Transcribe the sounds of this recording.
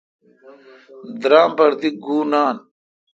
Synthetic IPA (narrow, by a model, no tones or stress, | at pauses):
d̪ɾaːmbɐɾd̪iɡuːnaːn